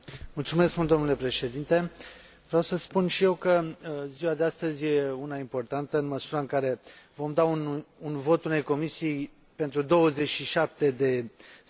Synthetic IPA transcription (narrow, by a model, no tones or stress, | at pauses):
mult̪sume̞skmult̪d̪o̞nule̞pɾe̞ʃe̞d̪int̪e̞ | vɾawsəspunʃije̞wkəziwad̪east̪əzʲje̞unaimpo̞rt̪ant̪əɨnməsuɾəɨŋkaɾe̞vo̞md̪aununvo̞t̪une̞jko̞misiij | pe̞nt̪ɾud̪o̞wəze̞t͡ʃʃiʃap̚t̪e̞d̪e̞